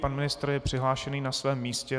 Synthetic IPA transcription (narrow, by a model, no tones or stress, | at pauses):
panmɪnɪst̪rjɛpr̥ɪɦlaːʃɛniːnasvɛːmːiːscɛ